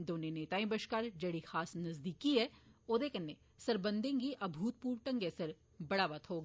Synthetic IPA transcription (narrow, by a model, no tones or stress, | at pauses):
d̪oːneneːt̪aːĩbɐʃkaːɾd͡ʒɐɽixaːsnɐzd̪iːkːiɦɛːoːd̪eːkɐnːe | sɐɾbɐ̃nd̪ẽːŋɡiʔɐbʱuːt̪̚puːɾʈɐ̃ŋɡesɐɾ | bɐɽaːʋɐt̪ʰɦoːɡ